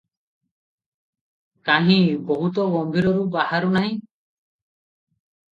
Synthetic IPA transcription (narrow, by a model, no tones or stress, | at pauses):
kaɦĩbɔɦut̪ɔɡɔmbʱiɾɔɾubahaɾunaɦĩ